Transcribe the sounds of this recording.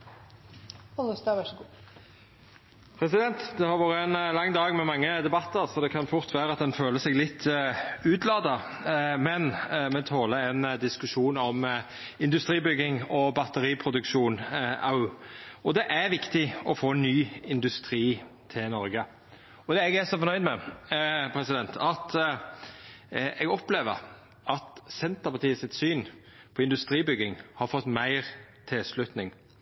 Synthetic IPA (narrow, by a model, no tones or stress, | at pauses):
ɔst̪ɑʋæ | pʰɾɛsɪd̪ɛnt̪d̪ɛhɑɾʋɑɾəɛnlɑŋːd̪ɑːɡmɛmɑŋːəd̪ɛbɑt̪ːəɾsɔd̪ɛkʰɑnfʊɾt̪ʰʋæːɾəɑt̪̚d̪ɛnføːləsɛɡlɪt̪ʰːʉːt̪lɑːd̪ə | mɛnmɛt̪ʰoːləɛnd̪ɪskʉʂuːnɔm | ɪnd̪ʉst̪ɾiːbʏɡɪŋɔbɑt̪əɾiːpʰɾʊd̪ʉkʃuːnɑ | ɔd̪ɛʔæɾʋɪkt̪ɪɔfoːnːyːɪnd̪ʉst̪ɾiːt̪ʰɪlnɔɾɡə | ɔd̪ɛɛɡæsɔfɔɾnœʏd̪mɛ | pʰɾɛsɪd̪ɛnt̪ʰɑt̪ | ɛɡɔpleːʋəɾ | ʔɑt̪sɛnt̪əɾpɑt̪iːəsɪt̪syːn | pʰɔɪnd̪ʉst̪ɾiːbʏɡːɪŋhɑɾfɔt̪ːmæɪʁt̪ʰɪlslʉt̪nɪŋ